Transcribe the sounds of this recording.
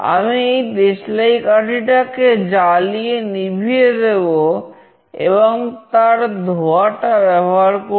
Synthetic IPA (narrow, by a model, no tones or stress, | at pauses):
a̰miejd̪eʃlajkaʈʰiʈaked͡ʑalienibʱied̪ebo | ḛboŋt̪aɾd̪ʱoaʈabɛboɦaɾko